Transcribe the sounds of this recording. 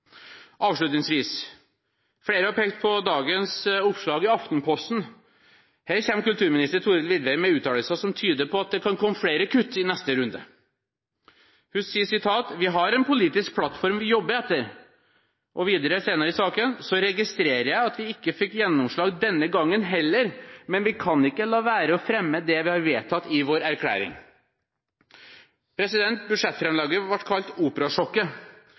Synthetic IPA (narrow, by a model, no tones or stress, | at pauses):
ʔɑːʋʂɭʉt̪nɪŋsʋiːs | fɽeːɾəɑpʰeːkt̪̚pʰɔd̪ɑːɡənsʊpːʂɭɑːɡɪɑft̪n̩pʰɔst̪n̩ | hæːɾçɛmːkʉlt̪ʰʉːɾmɪnɪst̪əɾt̪ʰuːɾəlʋɪd̪ʋɛɪmɛʉːt̪ʰɑːləlsəsɔmt̪ʰyːd̪əɾpʰɔɑt̪̚d̪ɛkʰɑnkʰɔmːəfɽeːɾəkʰʉt̪ːɪnɛst̪əɾʉnd̪ə̰ | hʉsiːəsɪt̪ʰɑːt̪ʋɪɦɑɾɛnpʊliːt̪ɪsk̚pʰlɑt̪ːfɔɾmʋɪjɔbːəɛt̪ːəɾ | ʔɔʋiːd̪əɾəseːnəɾəɪsɑːkənsɔɾɛɡɪst̪ɾeːɾəjæɪɑt̪ʋɪɪkːəfɪkːjɛnːɔmʂɭɑːɡd̪ɛnːəɡɑŋːənɦɛlːəɾmɛnʋɪkʰɑnɪkːəlɑːʋæːɾəɔfɾɛmːəd̪ɛʋɪhɑɾʋeːt̪ʰɑt̪ːɪʋoːɾæɾkʰlæ̰ːɾɪ̰ŋ | pʰɾɛsɪd̪ɛnt̪̚bʉd̪ʂɛt̪fɾɛmlɑːɡəʋɑʈːkʰɑlt̪uːpəɾɑʂɔkːə